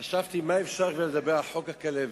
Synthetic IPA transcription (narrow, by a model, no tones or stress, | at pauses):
aʃavt̪imaefʃaʁveled̪abeʁalħokhakalev